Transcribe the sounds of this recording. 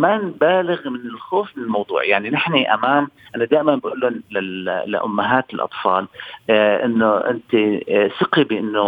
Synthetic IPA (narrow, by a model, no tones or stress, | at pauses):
maːnbaːlɪɣmɪnɪlxoːfmɪnɪlmɑwd̪ˤṵːʕjaʕninɪħniʔa̰maːmʔanad̪aːʔɪmanbaʔuːlʊnlɪlɪ̰ʔʊ̰mːaɦaːt̪ɪlʔɑ̰t̪ˤfɑːl | ʔɪnːoʔɪ̰nt̪isɪqibɪʔɪnːʊ